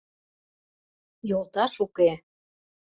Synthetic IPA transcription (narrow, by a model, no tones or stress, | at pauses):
jolˠt̪ɑʃuke